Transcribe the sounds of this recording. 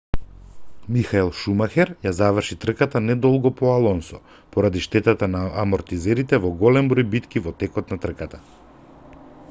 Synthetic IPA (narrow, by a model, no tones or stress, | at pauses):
mixaɛlˠʃumaxɛɾjazavər̩ʃit̪r̩kat̪anɛd̪ɔlˠɡɔpɔalˠɔnsɔ | pɔɾad̪iʃt̪ɛt̪at̪anaːmɔɾt̪izɛɾit̪ɛvɔɡɔlɛmbɾɔjbit̪kivɔt̪ɛkɔt̪nat̪r̩kat̪ḁ